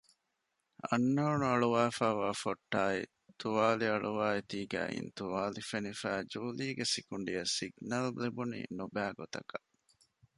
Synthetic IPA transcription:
ɐ̰nːɐunuɐɭuʋaːfæːʋaːfoʈːaːḭ | t̪uʋaːliɐɭuʋaːet̪iːɡæ̰ːʔḭnt̪uʋaːlifenifæːd͡ʒuːliːɡesikuɳɖijɐsiɡnɐllebunḭnubæːɡot̪ɐkɐ

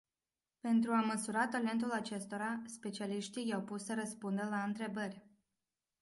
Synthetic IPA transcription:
pe̞nt̪ɾuaməsuɾat̪ale̞nt̪̬ulat͡ʃe̞st̪o̞ɾaspe̞t͡ʃialiʃt̪ijawpusəɾəspund̪əlaɨnt̪ɾe̞bərʲ

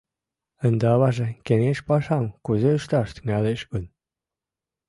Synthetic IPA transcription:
ə̆nd̪eɑβɑʒĕkeneʃpɑʃɑmkuzeyʃt̪ɑʃt̪yŋæleʃɡun

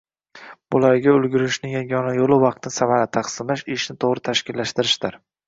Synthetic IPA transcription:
b̥ʊlaɾɡʲaʊlˠɡʲʊɾɪʃnɪjaŋɒnajolˠɪvɑq̚t̪ʰnɪsamaɾat̪ʰɑqsɪmlaʃɪʃnɪt̪ʰoʁɾɪt̪ʰaʃkʲɪlːaʃt̪ɪɾɪʃd̪ɪɾ

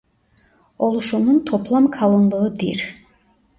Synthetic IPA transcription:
olˠuʃununt̪ʰopʰlˠɑmkʰɑlˠonlˠɯɯd̪iɾ

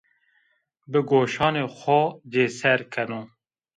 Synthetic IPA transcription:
bɨɡoːʃɑːneːxʷɔd͡ʒeːsɛɾkʰɛnuː

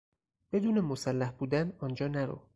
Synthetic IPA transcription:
b̥e̞d̪uːne̞mosælːæhb̥uːd̪ænɒːnd͡ʒɒːnæɾo̰

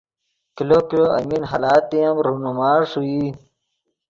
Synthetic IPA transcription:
kilokiloʔɐ̰minɦalaːt̪ijɐmɾunumaːɾʂui

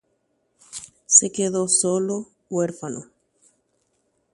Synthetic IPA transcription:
sekeðosolo | weɾfano̰

